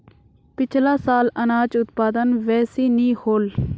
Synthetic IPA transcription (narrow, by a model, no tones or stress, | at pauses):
pɪt͡ʃʰlaːsaːlənaːt͡ʃʊt̪paːd̪ənʋɛːsiːniːhoːl